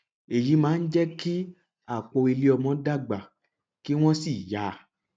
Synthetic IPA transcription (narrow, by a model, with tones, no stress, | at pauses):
e˨ji˨˦mãː˨˦n̩˦d͡ʒɛ˦ki˦ | a˦˨k͡po˧e˧li˧˦ɔ˧mɔ̃˨˧˦da˦˨ɡ͡ba˨ | ki˦w̃ɔ̃˦si˦˨ja˨˦˨